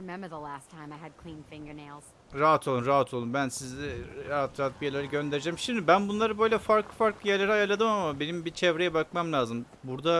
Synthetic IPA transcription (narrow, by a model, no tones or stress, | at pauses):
ɹɪmɛ̃mbə˞ðəlæstʰãɪ̃maɪɨd̚kʰl̥ĩnfɪ̃ŋɡə˞neɪlˠz̥ | ɾaɦat̪ʰolˠunɾaɦat̪ʰo̞lˠunbænsizɛaat̪ʰɾabijelʲeɾiɟø̞nd̪eɾid͡ʒɛːmʃimd̪ibænbunlˠaɾɯbø̞jlʲɛfaɾklˠɯfaɾklˠɯjæɾlʲeɾiajaɾlˠad̪ɯmamabe̞nimbit͡ʃʰɛvɾejɛbakmamlʲaːzɯm | buɾd̪a